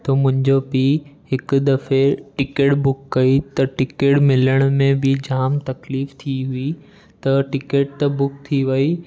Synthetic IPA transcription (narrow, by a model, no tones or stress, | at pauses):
t̪ɐmʊ̃ɦɪ̃ɲd͡ʑopiːɦɪk̆d̪ɐfeʈɪkeːʈbʊkːɐit̪ɐʈɪkeːʈmɪləɽ̃mẽbɪd͡ʑaːmt̪ɐkliːft̪ʰiɦui | t̪ɐʈɪkeːʈ̚t̪ɐbʊk̚t̪ʰiʋɐi